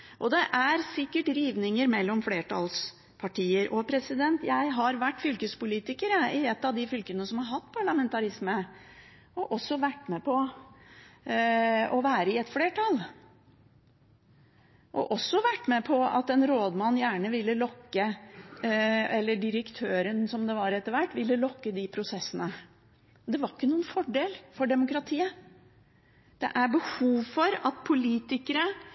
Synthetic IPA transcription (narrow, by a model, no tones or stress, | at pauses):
ʔɔd̪ɛʔæɾsɪkːəʈɾiːʋnɪŋəɾmɛlːɔmfleːʈʰɑls | pʰɑʈiːəɾʔɔpʰɾɛsɪd̪ɛnt̪jæɪɦɑɾʋæʈːfʏlkəspʊliːt̪ɪkəɾəɪɛt̪ːɑʋd̪ɪfʏlkənnəsɔmhɑɾɦɑt̪ːpʰɑɭɑmɛnt̪ɑɾɪsmə | ʔɔʔɔsːɔʋæʈːmɛpʰɔ | ɔʋæːɾəɪɛt̪fleːʈʰɑl | ʔɔ̰ʔɔsːɔʋæʈːmɛpʰɔɑ̰t̪ɛnɾoːd̪mɑnːjæːɳəʋɪlːəlɔkːə | ɛlːəɖɪɾəkt̪ʰøːɾənsɔmd̪ɛʋɑɾɛt̪ːəɾʋæʈːʋɪlːəlɔkːəd̪ɪpʰɾʊsɛsːənə | d̪ɛʋɑɾɪkːənuːənfɔɖeːlfɔɖɛmʊkɾɑt̪ʰiːə | d̪̥ɛ̰ʔæɾbəhuːʋfɔɾɑt̪̚pʰʊliːt̪ɪkəɾə